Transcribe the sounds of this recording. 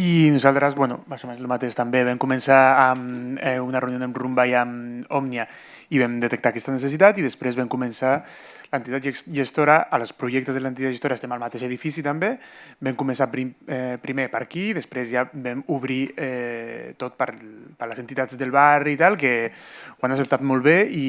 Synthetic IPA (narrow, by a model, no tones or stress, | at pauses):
inuzalˠt̪ɾəzβwɛnṵmalzumenzlumat̪eʃt̪ambeβ̞ɛmkumensaːmɛunareunionəmrumbajamɔmnia | iβɛmd̪ət̪ək̚t̪akɛst̪aneses̬it̪at̪iðəspɾezβɛmkumensa | lənt̪it̪at̪ʒesʒest̪oɾaʔalspɾuʒɛk̚t̪əzðələnt̪itat̪ʒest̪oɾaest̪ɛmalmat̪eʃeðifisit̪ambebɛmkumə̃nsapɾiɛpɾimepəɾkiːðəspɾezjabɛmuβɾiɛt̪ot̪̚pəɾpəɾləsent̪it̪ad͡zðəlˠβarit̪alˠkewanasep̚t̪at̪mɔlˠβei